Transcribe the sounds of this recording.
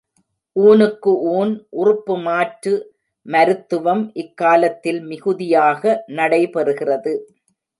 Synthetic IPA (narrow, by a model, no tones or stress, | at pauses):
ʔuːnɯkːɯʔuːnʔʊrʊpːɯmaːʈrɯ | mɐɾɯt̪ːɯʋɐmʔɪkːaːlɐt̪ːɪlmɪɣɯðɪjaːɣɐnɐɽɐɪpɛɾɯɣɪrɐðɯ